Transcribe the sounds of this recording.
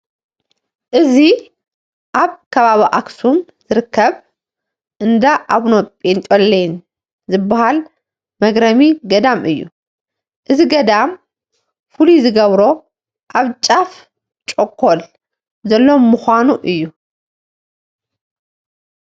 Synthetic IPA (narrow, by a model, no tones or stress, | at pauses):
ʔɨzi | ʔaβkʰɐβaβiʔaksum | z̥ɨɾɨkʰːɐβ | ʔɨnd̪aʔaβnopʼent̪ʼolːejn | zɨbːahal | mɐɡɾɐmiɡɐd̪amɨjːṵ | ʔɨziɡɐd̪am | fuluzɨɡɐβɾo̞ | ʔaβt͡ʃʼaf | t͡ʃʼokʼʰːol | zɐlːomuxʷanuʔɨjːu